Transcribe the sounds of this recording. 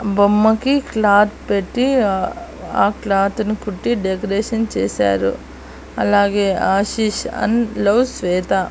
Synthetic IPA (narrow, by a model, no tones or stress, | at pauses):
bɐmːɐkiklaːt̪peʈːi | aːklaːt̪nikuʈːiɖekɐɾeːʃɐnt͡ʃeːsa̰ːɾṵ | ɐlaːɡeːaːʃiːʃɐ̰nlɐwsʋɛːt̪a